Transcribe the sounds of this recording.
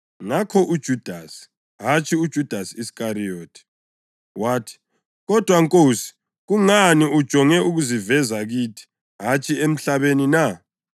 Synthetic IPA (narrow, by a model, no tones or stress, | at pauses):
ŋakʰɔʔud̥ʒ̥ʱud̥ʱasi̥ | ɦat͡ʃʰiud̥ʒ̥ʱud̥ʱasiisi̥kʼaɾijoːtʰi̥ | waːtʰi̥ | ɣɔd̥ʱwaŋkʼoːsi̥ | ɣuŋaniud̥ʒ̥ʱɔŋɛuɣuzivɛzaɣiːtʰi̥ | ɦat͡ʃʰiem̩ɬaβenina